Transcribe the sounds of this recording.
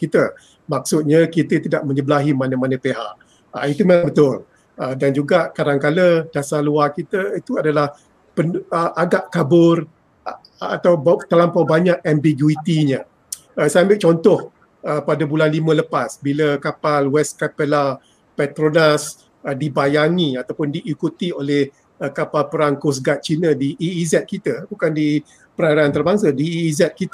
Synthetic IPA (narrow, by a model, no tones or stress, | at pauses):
kit̪ə | mak̚sʊt̪̚ɲakit̪ət̪idaʔmə̃ɲəbəlaɦimanə̃manə̃peɦa̰ʔ | ə̰it̪umabət̪ʊl | ədand͡ʒuɡaʔkadaŋkaləd̥asaluakit̪əit̪uadalah | pənəʔaɡaʔkabʊr | at̪awbt̪alampawbaɲaʔɛmbiɡuit̪iɲə | əsajambɪʔ̚t͡ʃɔnt̪ɔh | əpadabulanlimə̃ləpasbiləkapalwɛskapəla | pɛt̪ɾonas | ədibajaŋĩat̪awpʊndiʔːkut̪iolɛh | əkapalpəɾaŋkos̬ɡat̪̚t͡ʃinə̃diʔiːzɛt̪̚kit̪əbukandi | pəɾaɾaant̪ərbaŋsadiːzɛt̪̚kit̪